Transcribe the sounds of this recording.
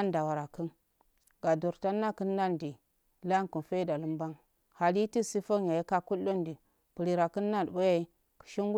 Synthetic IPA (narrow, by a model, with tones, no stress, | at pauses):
a˦nda˨wa˨ɾa˨kə˦n | ɡ̥a˨do˨ɾta˦nːa˦kə˦nːa˦ndi˨˦ | la˦ŋku˨nfe˦da˨lu˦mba˦ŋ | ha˨li˦ti˦si˦fo˦ŋja˨ji˦ka˦ku˦lo˦ndi˨ | pu˨ɾi˨ɾa˨kə˦nː˦a˦˨dbo˦ja˦ | kə̥˨ʃi˦ŋɡu˦